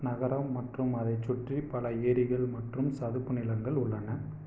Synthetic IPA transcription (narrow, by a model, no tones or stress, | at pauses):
nɐɣɐɾɐmːɐʈrɯmɐðɐɪt͡ʃːʊʈripɐlɐeːɾɪɣɐɭmɐʈrɯmsɐðɯpːɯnɪlɐŋɡɐɭʊɭːɐnɐ